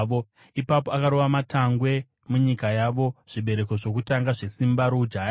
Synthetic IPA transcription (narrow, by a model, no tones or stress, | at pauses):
o | ipapo̞akaɾoʋamataŋɡwe̞ | muɲikajaʋo̞ʐ̥iɓe̞ɾe̞ko̞ʐo̞kutaŋɡaʐesimbaɾod͡ʒaja